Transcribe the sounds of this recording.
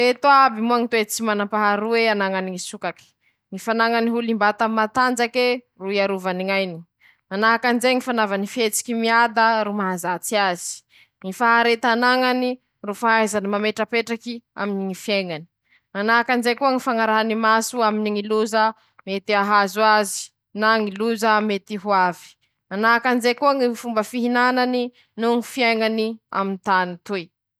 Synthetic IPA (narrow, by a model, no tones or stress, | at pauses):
et̪uabimuaŋit̪wet͡simanampaɦaɾueanaŋaniŋisukaki̥ | ŋifanaŋaniɦulimbat̪amat̪and͡ʒake | ruiaɾuvaniŋajni | manaɦakand͡ʒeŋifanavanifet͡si̥kʲimiad̪əɾumaɦazat͡siazi̥ | ŋifaɦaɾet̪anaŋani | rufaɦajzanimameʈ͡ʂəpeʈ͡ʂakia̰miniŋifieŋani̥ | manakand͡zekuəŋifaŋaɾaɦanimasuaminiŋiluzə | met̪iaɦazuazi̥ | naŋiluzamet̪iɦuavi̥ | anakand͡ʒekuaŋifumbəfiɦinanani | nuŋifieŋania̰mint̪anit̪uj